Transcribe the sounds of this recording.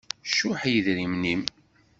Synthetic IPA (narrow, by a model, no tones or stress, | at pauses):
ʃʊħjəðɾimnim